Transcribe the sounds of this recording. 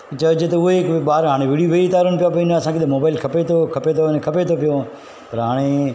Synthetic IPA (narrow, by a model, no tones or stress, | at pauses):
t͡ɕɐd͡ʑet̪ɐʊɦeɪkɓaːɾɦaːɽ̃eʋiːɽijuʋɐiɪt̪aːɾənɪpijapɐɪ̃nɐsãːkʰeɪɗmoːbaːɪlkʰɐpet̪ʰokʰɐpet̪ʰonkʰɐpet̪ʰopijo | pɐɾɦaːɽ̃e